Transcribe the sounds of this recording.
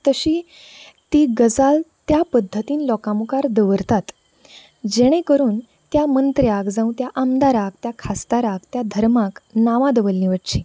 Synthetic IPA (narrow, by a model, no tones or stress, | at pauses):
t̪əɕiː | t̪iːɡəd͡zalt̪japəd̪ʱːət̪iːnlɔkamukaɾd̪əʋəɾt̪at̪ | d͡ʑeɽ̃ẽkəɾuːn | t̪jamənt̪ɾjakd͡zãũt̪jaʔəmd̪aɾak̚t̪jakʰast̪aɾak̚t̪jad̪ʱəɾmaknaʋãd̪əʋəlniʋəʈt͡ɕi